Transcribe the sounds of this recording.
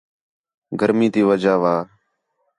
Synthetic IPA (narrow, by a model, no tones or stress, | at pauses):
ɡəɾmĩːt̪iːʋəd͡ʒaːʋaː